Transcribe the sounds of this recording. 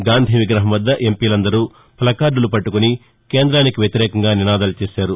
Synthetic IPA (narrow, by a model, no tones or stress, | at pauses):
ɡaːnd̪ʱiʋiɡɾɐɦɐmʋɐd̪ːɐʔe̞mpiːlɐnd̪ɐɾuː | pʰɐlɐkaːɾɖulupɐʈːukuni | keːnd̪ɾaːnikiʋjɐt̪iɾɛːkɐŋɡaːninaːd̪ɐlɐt͡ʃeːʃaːɾu